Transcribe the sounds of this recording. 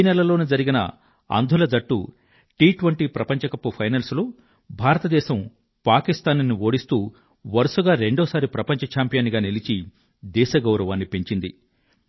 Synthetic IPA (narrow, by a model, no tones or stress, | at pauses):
nɛlɐlo̞ːneːd͡ʒɐɾiɡinɐ̰ | ɐ̰nd̪ʱulɐd͡ʒɐʈːu | ʈiːʈʋɐɳʈiːpɾɐpɐɲt͡ʃɐkɐpːupʰɐjnɐlsloː | bʱaːɾɐt̪ɐd̪ɛːʃɐm | paːkist̪aːnnːio̞ːɽist̪uː | ʋɐɾusuɡaːɾe̞ɳɖoːsaːɾipɾɐpɐɲt͡ʃɐt͡ʃaːmpijɐːniɡaːnelit͡ʃi | d̪ɛːʃɐɡɐwɾɐʋaːnːipe̞ɲt͡ʃind̪i